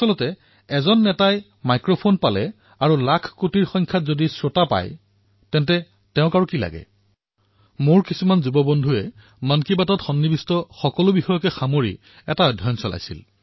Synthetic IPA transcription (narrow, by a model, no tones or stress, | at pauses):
asɔlɔtɛ | ɛzɔnːɛtaj | majkɹopʰonpalɛ | aɹulakʰkutiɹxɔŋkʰjatzodisɹotapa̰j | tɛntɛ | tɛʊ̃kaɹukila̰ɡɛ̰ | moɹkisumanzubɔbɔndʱuɛ | mankibatɔtxɔnːibistɔxɔkɔlʊbixɔjɔkɛxamoɹi | ɛtaɔdʱːɔjɔnsɔla̰jsḭl